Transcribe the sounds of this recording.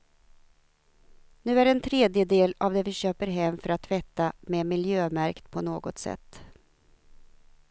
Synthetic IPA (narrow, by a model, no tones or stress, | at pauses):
nʉ̟ːæɾɛnt̪ʰɾeːd̪jəd̪eːlavd̪ɛvɪɕøːpəɾɦɛmːfœɾat̪ʰːvɛt̪ːamɛmɪljøːmæɾkt̪pʰɔnoːɡɔt̪sɛ̰t̪ː